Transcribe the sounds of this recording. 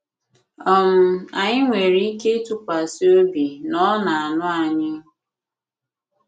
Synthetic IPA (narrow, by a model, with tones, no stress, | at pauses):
ɔ˦m̩˦a˨ɲɪ˦ŋʷe˨ɾi˦i˦ke˦tu˨kʷa˨si˦o˦bi˨nɔ˦na˨a˨nʊ˦a˨ɲɪ˦